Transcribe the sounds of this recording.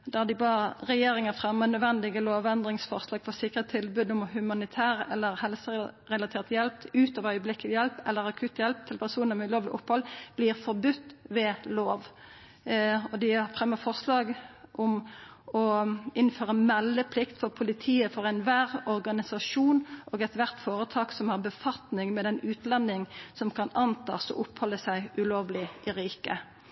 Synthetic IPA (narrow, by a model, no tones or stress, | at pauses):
d̪æd̪ɪbɑːəʁɛjeːɾɪŋəfʁɛmːənœd̪ʋɛnd̪ɪɡəloːʋɛnd̪ʁɪŋsfɔʁslɑːɡ̥fɔsɪkːʁət̪ʰːɪlbʉd̪ɔmhʉmɑnɪt̪ʰæːʁɛlːəɾhɛlsəʁɛlɑt̪ʰeːʁt̪jɛlpt̪ʉːt̪ɑːʋœʏəblɪkːəljɛlpɛlːəɾɑkʰʉːt̪jɛlp̚t̪ʰɪlpʰæʁsuːnəmɛʉloːʋlɪ̰ʔʊphɔlb̥liːʁfɔʁbʉt̪ːʋɛloːʋ | ɔd̪ɪɑfʁɛmːəfɔʁslɑːɡʔɔmɔɪnføːʁəmɛlːəpʰlɪkt̪fɔʁpʰʊlɪt̪ʰiːəfɔʁɛɪnʋæːʁɔɾɡɑnɪsɑʂuːnʔɔːɡɛt̪ʋæʁt̪foːɾət̪ʰɑːksɔmhɑʁbəfɑt̪nɪŋmɛd̪ɛnʉːt̪lɛnːɪŋsɔmkʰɑnɑnt̪ʰɑ̰ːsɔ̰ʔʊphɔlːəsæɪʉloːʋlɪʔɪɾiːkə̰